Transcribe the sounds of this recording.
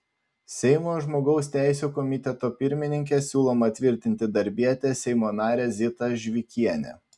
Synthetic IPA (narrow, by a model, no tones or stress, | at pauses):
sʲɛɪmoːʒmoːɡɒʊsʲt̪ʲæˑɪsʲuːkɔmʲɪt̪ʲɛt̪oːpʲɪɾʲmʲɪnʲɪŋʲkʲeːsʲuːlˠoːmɐt̪ʲʋʲɪɾʲt̪ʲɪnʲt̪ʲɪd̪ɐɾʲbʲiɛt̪ʲesʲɛɪmoːnɑːɾʲeːzʲɪt̪ɐʒʲʋʲɪkʲiɛnʲɛ̰